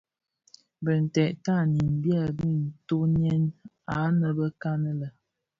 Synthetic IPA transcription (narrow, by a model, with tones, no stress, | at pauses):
bə˨n̩˨tɛ˨ʔta˦˨ni˨m˨bja˦˨bi˦˨n̩˨to˦n˦ɛ˦n | a˨˦nə˨bə˦ka˦nə˦lə˨